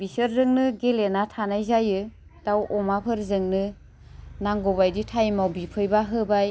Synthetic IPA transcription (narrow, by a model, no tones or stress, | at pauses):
bisəɾzɯŋnɯɡelenatʰanajzajɯ | d̥awʔɔmapʰɯɾzɯŋnɯ | naŋɡɔβajditʰajmawbipʰɯjbaɦɯbaj